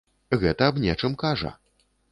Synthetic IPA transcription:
ɣɛt̪ɐːbnʲɛt͡ʂɨmkaʐɐ̰

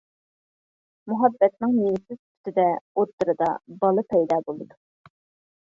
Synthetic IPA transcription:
muɦɑbːɛt̪̚nɨŋniwɪsɪz̥t̪ʰy̥t̪ʰɪd̪ɛot̪ːɨɾɨd̪ɑ̰bɑlˠɨpʰɛjd̪ɑːbolˠɨd̪u

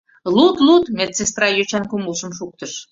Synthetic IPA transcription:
lut̪lut̪met͡sest̪rɑjøt͡ɕænkuməlʃəmʃuk̚t̪əʃ

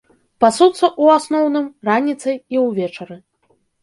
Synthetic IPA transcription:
pasut̪sːɐʔuasnɔwnɨmranʲit̪sɐjiwvʲɛt͡ʂɐɾɨ

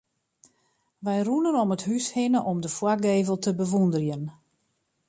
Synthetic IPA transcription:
ʋɛjrunənɔməthyshɪnəʔɔmdəfwaɡeːvəlˠtʰəbəʋundərjən

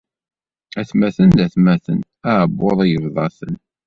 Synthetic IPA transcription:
æθmæθənd̪æθmæθə̰n | æʕbːoðˤijəvðˤɑθən

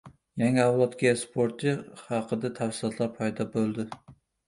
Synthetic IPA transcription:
jæŋɑwlˠɒt̪kʲɛspʰoɾt̪ʰɨhɑqʰəd̪ɛt̪ʰæfsɨlˠɒt̪ʰlˠɑɾpʰɑjd̪ɑbolˠd̪ɪ

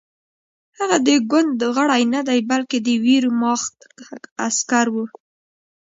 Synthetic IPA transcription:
haɣad̪əɡand̪əɣəɽajnad̪ajbalked̪əwiɾumɑxt̪askaɾwu

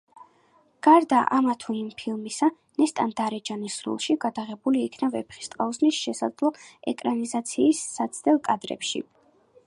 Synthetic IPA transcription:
ɡ̥aɾd̪aʔamat̪ʰunimpʰilˠmisa | nɛst̪ʼand̪aɾɛd͡ʒanisɾṵlˠʃiɡad̪aʁɛbuliːkʰnavɛpʰχi̥st̪ʼqʼauznisʃɛsad̪zlˠɔɛkʼɾanizat̪sʰiːsːat̪sʰd̪ɛlˠkʼad̪ɾɛ̰pʃḭ

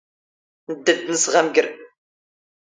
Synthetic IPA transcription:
əd̪ːəd̪nəsʁæmɡəɾ

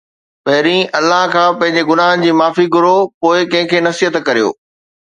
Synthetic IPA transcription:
ɓɐɦɪɾĩʔɐlːaɦkʰãːpɐ̃ɦɪ̃ɲ̆d͡ʑeɡʊnaːɦənɪ̆d͡ʑiːmaːfiɡʱʊɾopoːɪkɐ̃ɦɪ̃kʰeːnɐsiət̪kɐɾijo̰ː

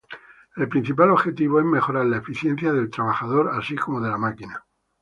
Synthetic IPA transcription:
e̞lpɾin̟θipalo̞βxe̞t̪iβ̞oe̞zme̞xo̞ɾaɾlaefiθje̞n̟θjaðe̞lt̪ɾaβ̞axaðo̞ɾasiko̞moðe̞lamakina

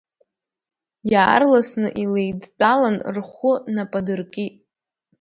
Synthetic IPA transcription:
jaːrlasnɨ̰ʔile̞jdt͡sʼalanrχʷʊnapʼadɨrkʲʼi

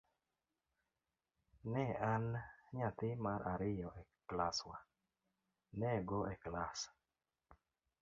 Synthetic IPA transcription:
nɛanɲat̪ɪmaɾʔaɾɪjɔʔɛklaswa | nɛɡoʔɛklas

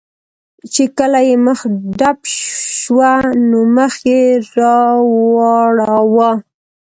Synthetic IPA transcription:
t͡ʃekəlajeməxɖapʃwanoməxjeɾɑwɑɽawɑ

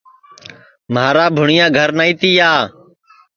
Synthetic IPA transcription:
maːɾaːbʱʊɳɪjãːɡʱəɾnaːĩːt̪iːjaː

